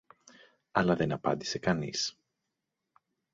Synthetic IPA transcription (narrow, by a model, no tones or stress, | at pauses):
ɐlɐðe̞nɐpɐ̰nd̪i̥se̞kɐnis